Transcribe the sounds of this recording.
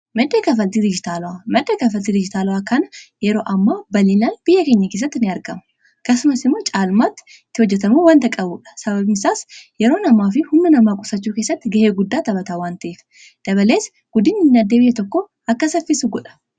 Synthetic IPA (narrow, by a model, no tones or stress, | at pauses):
mɐd̪ːekɐfɐlt̪ɪd̪ɪd͡ʒɪt̪aːlʊwamɐd̪ːekɐfɐlt̪ɪd̪ɪd͡ʒɪt̪aːlʊwaːkɐnɐjɛɾo̞ːʔɐmːaːbɐlinaːnb̥ɪjːɐke̞ːɲːɐke̞ːs̬ːɐt̪ːɪnɪɐɾɡɐmɐ | kɐsʊmɐsɪmːoːt͡ʃʼaːlmaːt̪ːɪ̥ | t̪ːɪhɔd͡ʒːɛt̪ɐmuːwaːnt̪ɐkʼɐbuːᶑɐ̥sɐβɐβɪnɪsaːsjɛɾo̞ːnɐmːaːfɪhʊmːɐnɐmaːkʼʊsɐt͡ʃːuːke̞ːsːɐt̪ːɪɡɐheːɡʊd̪ːaːt̪ɐbɐt̪aːwaːnt̪ɐʔeːf | d̪̥ɐβɐle̞ːs | ɡ̥ʊd̪ɪnɪnːɐd̪ːebɪjɛt̪ɔkːo | ʔɐkːɐsɐfɪsʊɡɔᶑɐ̥